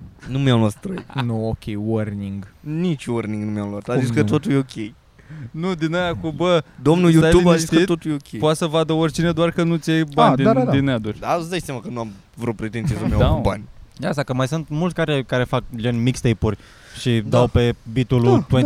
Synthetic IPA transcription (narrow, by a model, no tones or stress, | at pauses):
numʲjamlat̪t̪ɾəjnuokʲʰejworniŋɡnit͡ʃworniŋɡnumʲjamlat̪aziskət̪ot̪ujeokʲej | nud̪inəjakumbəd̪omnujutaubaiskit̪ot̪ujeokʲepoat̪səvad̪əorʲt͡ʃined̪oarkənut̪sʲiejband̪idd̪inəjad̪ut͡ʃʲd̪azd̪at͡ʃsʲamakənuam | vɾut̪̚pɾet̪ensiezomjaaba̰nʲasakəmajsunt̪mult̪ʲkaɾʲekaɾe̞fak̚lenʲmikst̪ejpurʲ | ʃid̪awpe̞bit̪ulut̪we